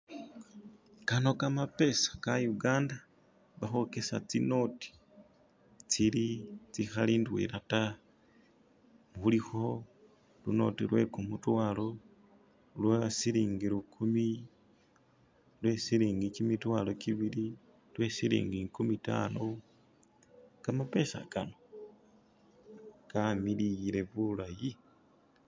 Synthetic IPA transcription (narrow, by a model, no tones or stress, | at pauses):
kano̞kamape̞sḁkajuɡaːnda | βaxo̞ke̞sa̰t͡sino̞ti̥ | t͡silit͡sixaliːndwḭɾata | mβulixo̞ | luno̞̰tilwe̞̰kumutwaːlo̞ | lwasiliːŋɡiɾukʰumi | lwe̞siɾiːŋɡikimitwaːlo̞kiβili | lwe̞silḭːŋɡikumita̰no | kamape̞sa̰kano̞ | kamilijile̞βulaji